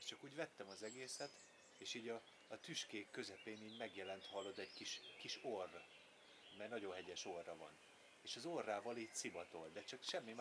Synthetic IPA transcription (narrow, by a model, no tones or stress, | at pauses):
t͡ʃɒkuːɟvɛt̪ːɛmɒzɛɡeːsɛt̪ | eːʃiːɟɒː | t̪yʃkeːkːø̞zɛpeːniːɟmɛɡjɛlɛnt̪hɒlːo̞d̪ɛɟkiʃkiʃor | mɛjnɒɟo̞nɦɛɟɛʃo̞rːɒvɒ̰n | eːʃɒzorːaːvɒliːtsivɒt̪o̞ld̪ɛt͡ʃɒkʃɛmːim